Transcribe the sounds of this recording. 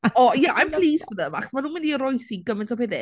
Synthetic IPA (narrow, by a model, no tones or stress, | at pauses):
ɔjaʔajmpʰlˠiːsvəðəma̰χɔ̥smanuːnmɪndiəɾɔjsiɡəmɪntʰɔpʰeðɪ